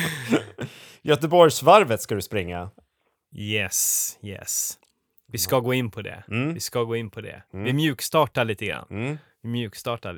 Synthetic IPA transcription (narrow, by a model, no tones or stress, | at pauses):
jœt̪əbɔɾjsvaɾvət̪skad̪ɵspɾɪŋːa̰ | jɛsjɛ̰s | vɪskaɡoːɪnːpʰɔd̪ɛ̰vɪskaɡoːɪnːpʰɔd̪ɛ̰vɪmjʉ̟ːkst̪ɑːʈaɭiːt̪əɡɾa̰nː | vɪmjʉ̟ːkst̪ɑːʈa